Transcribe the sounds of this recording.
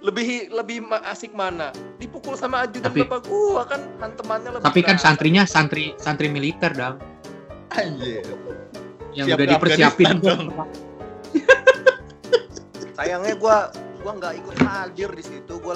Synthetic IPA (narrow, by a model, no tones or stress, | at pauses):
ləbɪɦləbɪhmaʔasɪk̚manadipukʊlsamaːd͡ʒud̪apiapaɡuakanhant̪əmanɲalət̪apikansant̪ɾiɲasant̪ɾisant̪ɾimilit̪ɛrdaŋ | ad͡ʒe | jaŋuadipərsiapɪnuəra | sajaŋɲaɡuaɡuaŋɡaʔikʊt̪̚had͡ʒɪrdisit̪uɡua